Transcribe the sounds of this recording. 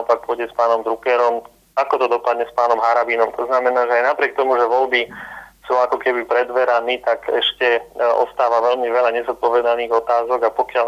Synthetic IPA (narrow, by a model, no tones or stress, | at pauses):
ɔpak̚pʊɔɟɛspaːnɔmd̪ɾukɛɾɔm | akɔt̪ɔd̪ɔpad̪ɲɛspaːnɔmɦaɾabiːnɔmt̪ʰɔznamɛnaːʒɛajnapɾɪɛk̚t̪ɔmuʒɛʋɔlbisuːakɔkɛbipɾɛd̪ʋɛɾaniːt̪akɛʃcɛɔ̰st̪aːʋaʋɛlmiʋɛʎaɲɛzɔt̪̚pɔʋɛd̪aniːɣɔt̪aːzɔɡapɔkɪal